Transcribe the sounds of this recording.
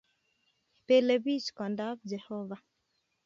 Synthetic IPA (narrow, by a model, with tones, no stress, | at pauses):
pe˨le˨bi˦skɔ˨nda˦b̚d͡ʒɛ˨hɔ˦va˨